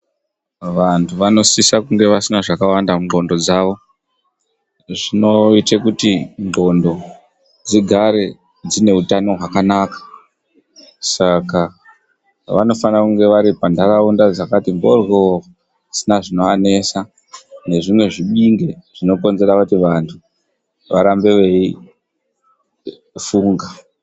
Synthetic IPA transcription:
ʋantʰuʋano̞sisakuŋɡe̞ʋasinaʐakawandauŋɡo̞ndo̞d͡zaʋo̞ | ʐino̞itekutiŋɡo̞ndo̞ | d͡ziɡʱaɾe̞ | d͡zine̞utano̞ɦwakanaːkḁ | saka | ʋa̰no̞fanakuŋɡe̞ʋaɾipandaraundad͡zakatiŋɡorwo | sinaʐino̞ane̞sa | ne̞ʐimwe̞ʐiɓiŋɡe̞ʐ̥ino̞ko̞nze̞ɾakutiʋantʰu | ʋaɾambe̞ʋe̞i | fuːŋɡa

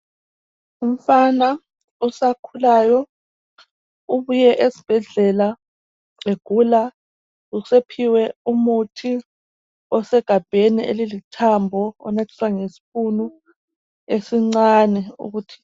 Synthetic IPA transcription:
um̩fana | usakʰulajɔ | uβujɛʔesi̥b̥ʱɛɮɛla | eɡ̥ʱula | usepʰiwɛumutʰi | ɔsɛɡ̥ʱab̥ʱeniḛlilitʰambʱɔɔ̰natʰi̥swaŋesi̥funu | esiŋ͡ǀaːnɛṵɣuːtʰi̥

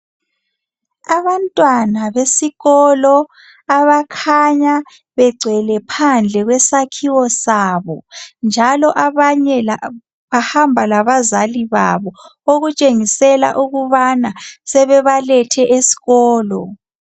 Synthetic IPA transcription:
aβantʼwanaβesiɣɔlɔ | aβakʰaɲa | βɛɡ͡ǀʱɛlɛpʰand͡ɮʱɛɣwɛsakʰiwɔsaːβɔnd͡ʒʱalɔʔaβaɲɛa | βahambʱalaβazaliβa̰βɔoɣut͡ʃʼeŋisɛla̰ʔuɣuβanasɛβɛβalɛtʰɛʔesi̥ɣɔːlɔ

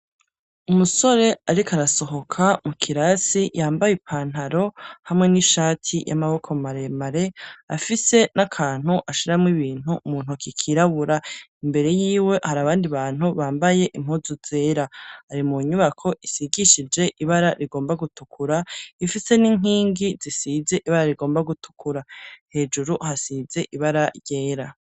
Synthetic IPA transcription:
umuso̞ɾe̞aɾikaɾaso̞ɦo̞kʰamukʰiɾasijaːmbajipʰaːn̥ɦaɾo̞hamŋe̞niʃaːtʰija̰maβo̞kʰo̞maɾe̞maɾe̞afise̞nakʰaːn̥huʔaʃiɾamŋiβiːn̥humuːn̥ukikʰiɾaβuɾaimbe̞ɾe̞jiːwe̞haɾaβaːndiβaːn̥uβaːmbaje̞ʔim̥huzuz̥e̞ːɾahaɾimuɲuβakʰo̞ʔisiɡiʃid͡ʒe̞ʔiβaɾaɾiɡo̞ːmbaɡutukʰuɾaifise̞niŋ̥iːŋɡizisize̞ʔiβaɾaɾiɡo̞ːmbaɡutʰu̥kʰuɾahe̞d͡ʒuɾuhasize̞ʔiβaɾaɾje̞ːɾa

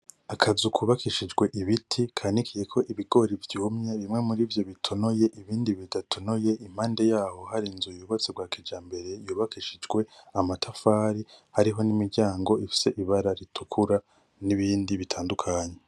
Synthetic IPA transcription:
akʰazukʰuβakiʃid͡ʒɡwe̞ʔiβitʰikʰanikʰije̞kʰo̞ʔiβiɡo̞ːɾivjuːmɲe̞βimŋe̞muɾiːvjo̞βitʰo̞noje̞ʔiβiːndiβidatʰo̞noje̞ʔim̥haːnde̞jaːho̞haɾinzujuːβot͡seɡwaːkid͡ʒaːmbe̞ɾe̞juːβakiʃid͡ʒɡwe̞amatʰafaːɾihaɾiɦo̞nimiɾɟaːŋɡo̞ʔifi̥se̞ʔiβaɾaɾitʰukʰuɾa | niβiːndiβitʰaːndukʰaɲe̞

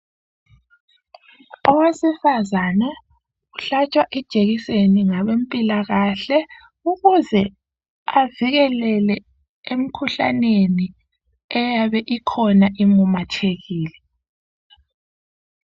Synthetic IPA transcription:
ɔwesifazana | uɬat͡ʃʼwaʔɛd̥ʒ̥ʱeɣiseniŋaβempʼilaɣaɬɛ | uɣuzɛ | aviɣɛlɛlɛ | em̩kʰuɬa̰neni | ɛjaβɛʔikʰɔnaʔimumatʰeɣiːlɛ

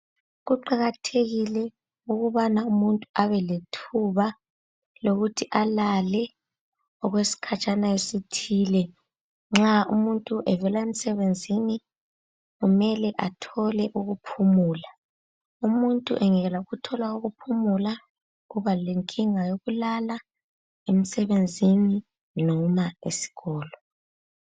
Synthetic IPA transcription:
ɣuǃaɣatʰeɣilɛ | uɣuβanaumuntʼuʔaβɛletʰuβa | loɣutʰiʔalalɛ | ɔɣwesi̥kʰat͡ʃʼanaesitʰiːlɛ | ŋ͡ǁaumuntʼuʔɛvɛlaem̩sɛβend͡zʱini | ɣumɛlɛʔatʰɔlɛʔuɣupʰumuːla | umuntʼṵʔɛŋɛɣɛlauɣutʰɔlwauɣupʰumula | ɣuβaleŋkʼiŋajoɣulala | em̩sɛβend͡zʱini | nɔmaḛsi̥ɣɔːlɔ

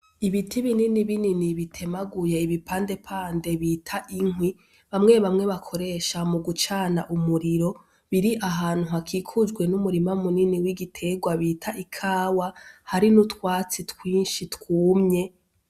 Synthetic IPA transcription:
iβitʰiβininiβininiβitʰe̞maɡuje̞iβipaːnde̞pʰaːnde̞βiːtʰaʔiŋwi | βamŋe̞βamŋe̞βakʰo̞ɾe̞ːʃamuɡut͡ʃaːnaʔumuɾiɾo̞ | βiɾiʔaɦaːn̥huɦakʰiːkʰud͡ʒɡwe̞numuɾimamuniniwiɡitʰe̞ɡwaβiːtʰaʔikʰaːwahaɾinutkwaːt͡sitkwiːnʃitkuːmɲe̞

